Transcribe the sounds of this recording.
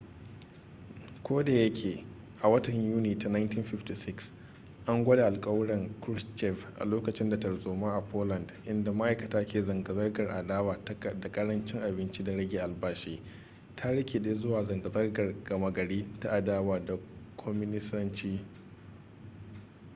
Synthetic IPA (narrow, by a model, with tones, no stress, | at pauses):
kʷoː˦da˨jɐ˦kʲʰeː˨ | ʔa˨wɐ˦tɐ˨ɲjuː˦niː˨ta˨na˦jntiː˦nɸɪ˦ɸti˨sɪ˦ks | ʔa˦ŋɡʷɐ˦da˨ʔa˨lkʼɐ˦wɽɐ˨ŋkɾʊ˦st͡ʃɛ˦vʔa̰˨loː˦kɐ˨t͡ʃɪ˦nda˨tɐ˨ɽzoː˨maː˦ʔa˨pʰoː˦lɐ˨ndʔɪ˦nda˨ma˦ʔa˨jkɐ˨taː˦kʲeː˨zɐ˨ŋɡɐ˨zɐ˦rɡɐ˨rʔa̰˨daː˦waː˨da˨kʼɐ˦ɽɐ˦nt͡ʃɪ˦ŋʔa˨bɪ˦nt͡ʃiː˦da˨ɽɐ˦ɡʲeː˨ʔa˨lbaː˦ʃeː˦ | tʰa˦ɽɐ˦kʲe˨ɗeː˦zʊ˦waː˨zɐ˨ŋɡɐ˨zɐ˦rɡɐ˨rɡ̥ɐ˨ma˨ɡɐ˨ɽiː˦ta˦ʔa˨daː˦waː˨da˨kʷʰɔ˦mɪ˦nɪ˦sɐ˦nt͡ʃiː˦